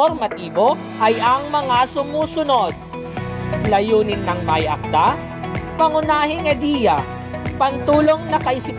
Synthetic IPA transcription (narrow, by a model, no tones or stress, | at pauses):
oɾmɐt̪iːbo̞ | ʔɐjɐŋmɐŋasʊmuːsʊno̞d̪̚ | lɐjuːnɪnːɐŋmɐjɐ̰k̚t̪a | pɐŋʊnaːɦɪŋɛd̪iːjɐ | pɐnt̪uːlo̞ŋnɐkɐʔɪsɪ